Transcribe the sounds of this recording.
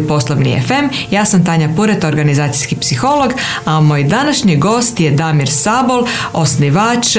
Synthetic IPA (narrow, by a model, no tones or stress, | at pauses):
po̞slˠoʋnḭḛfe̞mjaːsamt̪aɲapuɾet̪o̞ɾɡanizaːt̪si̥skipsixo̞lo̞ɡ | amo̞ːjd̪anaʃɲiɡo̞ːst̪jed̪amiɾsabolo̞sniʋaːt͡ʃ